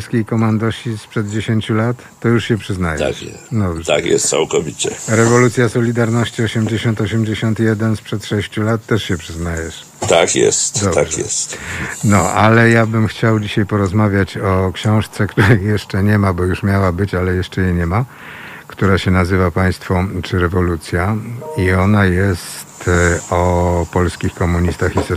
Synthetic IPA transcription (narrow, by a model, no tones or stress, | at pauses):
skʲejkɔmand̪ɔɕispʂɛd̪̚d͡ʑeɕeɲt͡ɕulat̪ːɔjuʂɕɛpʂɘznaj̰a̰ʂɛd̪ɔbʐɛt̪a̰kjɛ̰st̪sa̰wkɔvʲit͡ɕɛɾɛvɔlut̪sʲjasɔlʲid̪aɾnɔɕt͡ɕiɔɕɛmd͡ʑeɕɔnt̪ɔɕɛmd͡ʑeɕɔnt̪jɛd̪ɛnspʂɛt̪ʂɛɕt͡ɕulat̪ːɛʂɕɛpʂɘznajɛʂ | t̪akjɛ̰st̪d̪ɔb̪aɛjɛ̰st̪nɔʔalɛjabɘmxt͡ɕawd͡ʑiɕajpɔɾɔzmavʲjat͡ɕɔkɕɔ̃w̃ʂt̪sɛkt̪uɾɛjɛʂt͡ʂɛɲɛmabɔjuʂmʲjawabɘt͡ɕalɛjɛʂt͡ʂɛjɛɲɛma | kt̪uɾaɕɛnazɘvapaj̃st̪fɔt͡ʂɘɾɛvɔlut̪sʲjaiɔnajɛst̪ɔpɔlskʲixkɔmuɲist̪axis